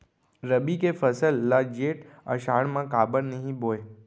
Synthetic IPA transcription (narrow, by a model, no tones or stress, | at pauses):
ɾəbikefʰəsəlːad͡ʒeːʈ | ə̰ʃaːɽ̃mãkaːbəɾnɐɦĩboːe